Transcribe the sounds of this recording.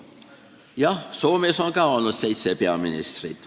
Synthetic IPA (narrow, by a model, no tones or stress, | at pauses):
jɑsoːmesoŋkɑwɑnːut̪seit̪sepeɑminḭst̪rḭt̪